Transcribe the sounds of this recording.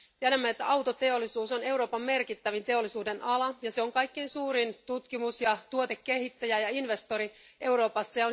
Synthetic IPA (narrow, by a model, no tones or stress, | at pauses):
t̪iedæmːæet̪ːæɑwt̪o̞t̪e̞olːˑisuːsone̞uwɾo̞ːpɑmːe̞rkit̪ːæʋint̪e̞o̞lːˑisuːde̞nʔɑlɑjɑseoŋkɑjkːeinsuːɾint̪ut̪kimusjɑt̪uot̪ekːe̞hit̪ːæjæjɑinʋe̞st̪o̞ɾiʔe̞wɾo̞ːpɑsːeon